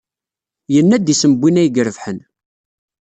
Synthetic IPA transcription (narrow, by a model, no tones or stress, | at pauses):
jənːæd̪isəməbːinæjɡəɾəvħən